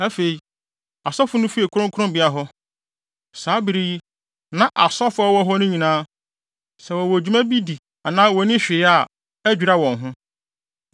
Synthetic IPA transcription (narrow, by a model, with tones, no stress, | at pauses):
æ˦fe˨i˨ | a˨sɔ˦fʊ˦nʊ̃˦fi˦e˨kʰʊ˦ɾʊ̃˦ŋkʰʊ˦ɾʊ̃˦mbɪ˨˦a˨ɦɔ˦ | saː˨˦bi˨ɾi˦i˦ | nã˦ʔa˨sɔ˦fʊ˦ɔ˦wɔ˦ɦɔ˦nʊ̃˦ɲĩ˨nãː˦ | sɛ˨wɔ˨wɔ˨æ˨d͡ʑᶣu˨˦mã˦bi˦di˨ | a˨nãː˦wɔ˨˦nɪ̃˦ɕᶣɪ˨˦a˨ | æ˦d͡ʑᶣu˨ɾa˦wɔ̃˨ŋɦʊ̃˦